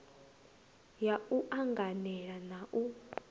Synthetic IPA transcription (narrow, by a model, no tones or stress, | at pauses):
jauʔaŋɡanɛɺanaʔu